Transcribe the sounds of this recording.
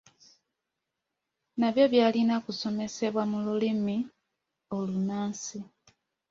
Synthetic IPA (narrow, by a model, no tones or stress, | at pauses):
naβjo̞βjaːlinakuso̞me̞se̞βwamululimi | o̞lunaːnsi